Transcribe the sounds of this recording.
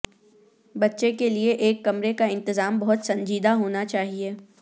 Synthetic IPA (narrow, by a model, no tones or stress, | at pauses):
bɐtːʃekelieʔeːkːɐmɾekaɪ̃nt̪ɪzaːmbɐɦʊt̪sɐ̃ɲd͡ʒiːd̪aɦoːnat͡ʃaːɦieː